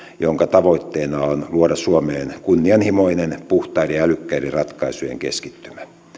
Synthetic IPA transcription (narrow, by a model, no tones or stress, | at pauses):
joŋkɑt̪ɑʋoit̪ːeːnɑonluodɑsuomeːnkunːiɑnhimoinenpuht̪ɑːriælykːærirɑt̪kɑisujḛŋkḛskit̪ːymæ